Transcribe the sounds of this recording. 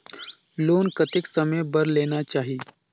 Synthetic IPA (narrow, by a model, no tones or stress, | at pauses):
loːnkɐt̪ɪksɐməbɐɾleːnat͡ʃaːɦi